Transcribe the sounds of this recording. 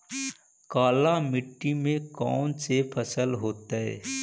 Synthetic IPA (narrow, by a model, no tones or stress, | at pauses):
kaːlamɪʈːimẽkɔːnsepʰəsəlɦoːt̪aɦɛ̰ː